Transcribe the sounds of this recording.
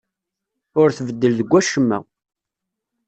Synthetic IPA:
ʊɾθvəd̪ːəlðəɡʷːæʃəmːæ̰

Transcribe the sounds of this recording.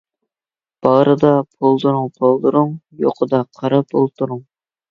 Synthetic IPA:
b̥ɑɾɨd̪ɑpʰolˠd̪uɾuŋpʰolˠd̪uɾʊŋjo̰qʰəd̪ɑqʰɑɾɑpolˠt̪uɾuŋ

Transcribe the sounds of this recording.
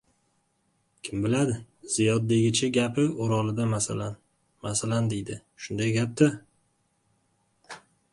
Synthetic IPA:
kʲʰɪmbɪlad̪ɪ | z̥ijɒd̪̚d̪e̞ɡʲɪt͡ʃʰaɡʲapʰɪoɾɒlɪd̪amasalan | masaland̪ejd̪ɪʃʊnd̪ajɡʲap̚t̪ɪ

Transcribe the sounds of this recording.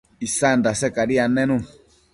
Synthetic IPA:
isandasɛkaɾianɛnũ

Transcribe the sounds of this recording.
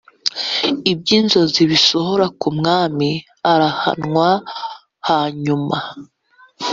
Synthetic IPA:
ibjiːnzo̞ziβiso̞ɦo̞ɾakumŋaːmi | aɾaha̰nŋwa | haːɲuma

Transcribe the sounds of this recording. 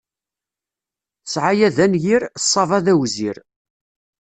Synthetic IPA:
ə̥sʕajæðænjiɾsˤːɑvˤɑðæwziɾ

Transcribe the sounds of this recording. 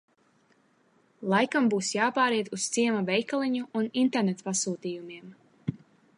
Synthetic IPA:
lˠajkambuːsjaːpaːɾiɛt̪ust̪siɛmavɛjkalˠiɲuʔːnint̪eɾnet̪pasuːt̪iːjumiɛm

